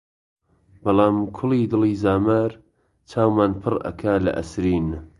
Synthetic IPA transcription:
bɑlˠaːmkʰʊliːd̪ɨliːzaːmaːɾ | t͡ʃʰaːwmaːnpʰɨrʔɐ̰kʰaːlɐ̰ʔɐ̰sɾiːn

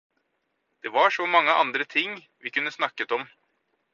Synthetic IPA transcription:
d̪̥eʋɑʂɔmɑŋːəʔɑ̰nd̪ɾət̪ʰɪŋː | ʋɪkʉnːəsnɑkːət̪ɔm

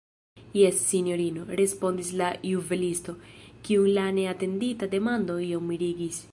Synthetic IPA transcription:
jesːinjoɾinoɾespo̞nd̪islajuvelist̪o̞kiuŋlaneat̪end̪it̪ad̪emand̪oiomːiɾiɡis

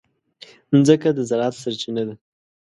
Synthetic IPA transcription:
nzəkad̪əzaɾɑt̪saɾt͡ʃinad̪a

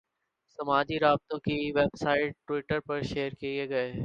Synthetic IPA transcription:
sɐmaːd͡ʒiɾaːb̚t̪õkiʋɛbsaːɪʈ̚ʈwɪʈəɾpɐɾʃeːɾkieɡɐeː

